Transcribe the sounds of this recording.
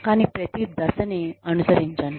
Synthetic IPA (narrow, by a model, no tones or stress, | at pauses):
kañipɾət̪id̪əsəneənusəɾind͡ʑan